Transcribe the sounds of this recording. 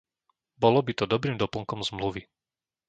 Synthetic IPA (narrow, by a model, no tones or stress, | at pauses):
bɔlɔbit̪ɔd̪ɔbɾiːmd̪ɔpl̩ˠŋkɔmzmluʋi